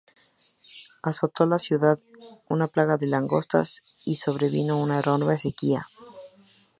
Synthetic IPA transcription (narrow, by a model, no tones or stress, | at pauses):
aso̞t̪o̞lasjuðaðunaplaɣaðe̞laŋɡo̞st̪a̰s | iso̞βɾe̞βino̞unaeɾonmesekia